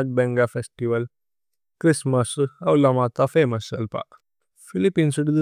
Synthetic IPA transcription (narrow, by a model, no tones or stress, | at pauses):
ʈ̚bɛ̃ŋɡafesʈiʋəl | kɾisməsɐwlamat̪afeməsəlpa̰ | filipiːnsuɽid̪